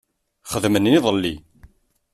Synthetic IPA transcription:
χəðmənniðˤəlːi

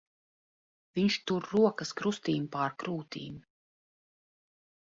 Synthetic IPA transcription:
viɲʃt̪uɾːuɔkɐskɾust̪iːmpaɾkɾuːt̪ḭːm

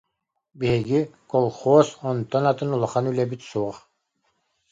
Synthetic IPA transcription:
biɦiɡikɔlˠχɔːsɔnt̪ɔnat̪ɯnulˠaχanylɛbit̪suɔχ

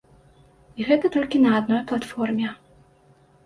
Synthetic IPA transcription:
iɣɛt̪ɐt̪ɔlʲkʲinɐad̪nɔjplˠat̪fɔrmʲɛ

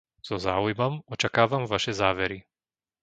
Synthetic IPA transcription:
z̥ɔzaːujmɔmɔt͡ʃakaːʋamʋaʃɛzaːʋɛɾi

